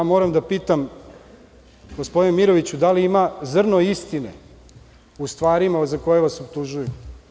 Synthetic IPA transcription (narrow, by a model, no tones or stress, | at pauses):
mo̞ːɾamd̪apiːt̪am | ɡospo̞d̪inemiɾo̞ʋit͡ɕud̪aliimazr̩no̞ist̪inḛ | ust̪ʋaːɾimazako̞jeʋasobt̪uʒuju